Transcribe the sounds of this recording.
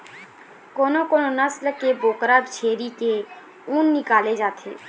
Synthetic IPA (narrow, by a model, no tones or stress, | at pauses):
koːnokoːnonəsləkeboːkɾaːd̪t͡ʃʰeːɾike | ũːnːɪkaːled͡ʒaːt̪ʰḛː